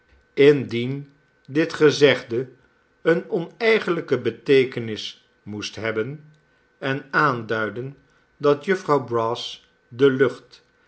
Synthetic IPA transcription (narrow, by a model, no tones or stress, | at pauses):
ɪndin | dɪtχəzɛχdə | ənɔnɛjχənləkəbətejkənɪs | mustɦɛbən | ɛnaːndœɥdən | dɑtjɵfrɑwbrɑs | dəlɵχt